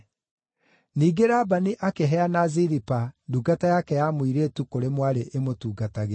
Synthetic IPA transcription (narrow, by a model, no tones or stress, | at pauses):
niːɡeɾaːbaniʔakeɦɛanaziɾipaduɡatajakɛjamwiɾetukoɾemwaɾeʔemotuːɡataɣe